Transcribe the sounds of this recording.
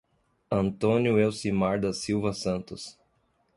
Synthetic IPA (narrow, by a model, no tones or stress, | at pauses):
ɐ̃nt̪õnjʊewsimaɾd̪ɐsiwvɐsɐ̃nt̪ʊs